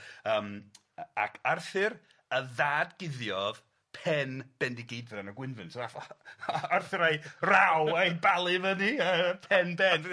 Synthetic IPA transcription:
əːm | a̰kʰarθɪr | əðaːdɡ̥ɪðjɔð | pʰɛnb̥ɛndiɡejdrɛnəɡwɪnvɨntʰa | arθɪɾajrawajbalˠɨvəniəpʰɛnbɛn

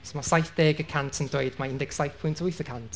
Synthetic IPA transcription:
somasajθd̥eːɡəkʰantʰəndɔjdmaɪndɛksajθpʰũntʰəwijθəkʰantʰ

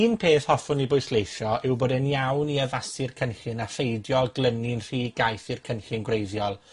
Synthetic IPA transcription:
iːnpʰeːθhɔfʊnibʊɨslejʃjɔʔɪwboːdɛnjawniəvasɪrkʰənɬɪnafejdjɔlˠɡlˠənɪnr̥iːɡajθirkʰənɬɪnɡwrejðjɔlˠ

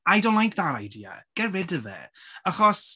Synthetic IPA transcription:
ajdõw̃nlajk̚ðaɾajdiːa̰ɡ̥ɛɹɪdəvɛ̰aχɔs

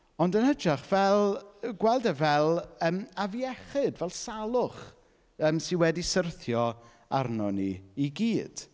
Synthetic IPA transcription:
ɔndənhəd͡ʒaχv̥ɛlˠɡwɛlˠdɛvɛlˠəːmaviɛχɪdvɛlˠsalˠʊχ | əːmsɪnwɛdisərθjɔ | a̰rnɔnḭiɡiːd̥

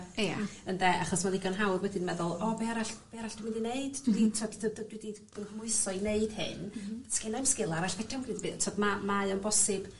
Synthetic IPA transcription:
a̰əndɛʔaχɔsmaniɡɔnɦawrwɛdɪnmɛðʊlˠɔbiaɾaɬb̥iaɾaɬd̥wmɪndineɨd̥dwitʰɔdddwidib̥ənmʊɨsɔineɨd̥hɪ̰nskɪnamskɪlˠaɾaɬvɛd̥ɔmɡriːdbitʰɔdmamaɨɔnbɔsɪb̥

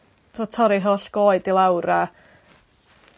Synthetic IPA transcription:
tʰɔtʰɔɾɪrɦoːɬɡ̥oːɨdilˠawɾa

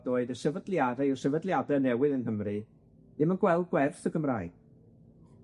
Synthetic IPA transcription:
doɨdəsəvədlˠjadɛɪrsəvədlˠjadɛnɛwɨðənɦəmrɨ | dɪmənɡwɛlˠd̚ɡwɛrθəɡəmra̰ːɨɡ̥̚

